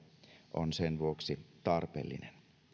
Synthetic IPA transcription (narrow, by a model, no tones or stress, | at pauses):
ʔo̰nsenʋuoksit̪ɑrpḛːlːḭnen